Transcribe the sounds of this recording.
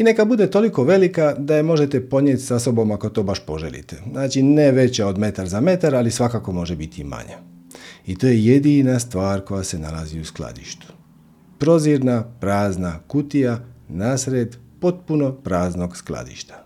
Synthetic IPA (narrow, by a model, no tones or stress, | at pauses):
ine̞kabud̪e̞t̪o̞liko̞ʋe̞likad̪ajemo̞ʒe̞t̪e̞po̞ɲjet̪ʲsaso̞bo̞mako̞t̪o̞ːbaʃpo̞ʒḛlḭt̪enaːt͡ʃineʋe̞t͡ɕaod̪me̞t̪aɾzame̞t̪aɾalisʋakaːko̞mo̞ʒebit̪ʰima̰ɲa | it̪o̞ːje̞je̞d̪inast̪ʋaːɾko̞jase̞na̰laziuskla̰d̪ḭʃt̪u̥ | pɾo̞ziɾnapɾaːznakut̪ijanaːsɾed̪po̞t̪̚puno̞pɾaːzno̞ɡsklˠa̰d̪ḭʃt̪ḁ